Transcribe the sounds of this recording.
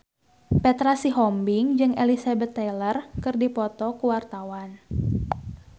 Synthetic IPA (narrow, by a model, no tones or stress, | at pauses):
pɛt̪ɾasiɦɔmbiŋd͡ʒɨŋelisebət̪ːɛlərkɨrdipɔt̪ɔkuwart̪awan